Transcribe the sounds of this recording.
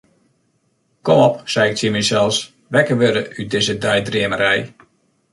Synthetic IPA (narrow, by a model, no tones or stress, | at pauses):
kɔmɔpsɛjɪk̚simɛsɛlˠs | ʋɛkəʋøɾəʔydɪzədɛjdriəməɾɛj